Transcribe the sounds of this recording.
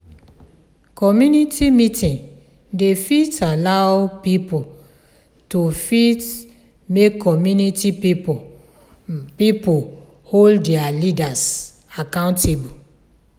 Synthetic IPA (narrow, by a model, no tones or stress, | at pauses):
kʰɔmjunitʰimitʰĩŋ | defitalaʊpip | tufit | mekʰːɔmjunitipip | pipo | holdɛalidas | akãʊ̃ntʰebu